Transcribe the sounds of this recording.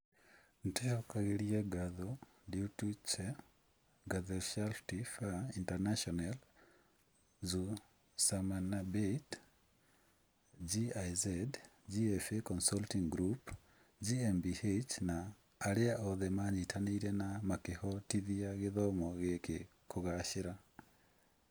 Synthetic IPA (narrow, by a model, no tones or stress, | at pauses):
nteɔkaɣeɾieɡaðo | diutut͡ʃɛ | ɡaðɛʃalftifaintanaʃɔnal | zu | samanabet | d͡ʒiajzɛd | d͡ʒiɛfekɔnsaltiŋɡɾup | d͡ʒiɛmbihet͡ʃnaː | ɾɪaʔɔðɛmaɲitʰaniiɾenamakehɔtiðiaɣɪðɔmɔɣeke | koɣaʃɪɾa